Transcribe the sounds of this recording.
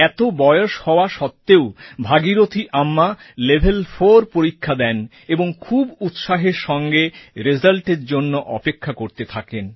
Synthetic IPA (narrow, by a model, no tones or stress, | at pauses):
ɛt̪obɔjoʃhɔoaʃɔt̪ːeobʱaɡiɾot̪ʰiʔamːa | lebʱelfoɾpoɾikʰːad̪ɛn | eboŋkʰubut̪ʃaɦeɾʃɔŋɡeɾed͡ʑalʈeɾd͡ʑonːoʔɔpekʰːakoɾt̪et̪ʰaken